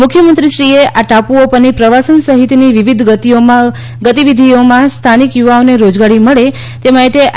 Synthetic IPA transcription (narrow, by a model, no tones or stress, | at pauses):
mʊkʰjəmənt̪ɾiʃɾieʔaʈapuopənipɾəʋasənsəɦit̪niʋiʋid̪ʱɡət̪io | ɡət̪iʋid̪ʱiomãst̪ʰanikjuʋaoneɾod͡ʒɡaɽiməɭe | t̪emaiʈeʔ